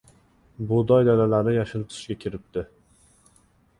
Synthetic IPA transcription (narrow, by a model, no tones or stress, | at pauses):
bʊd̪ɒjd̪alalaɾɪjaʃɪlˠt̪ʰɪ̥ʃɡʲakʲʰɪɾɪp̚t̪ɪ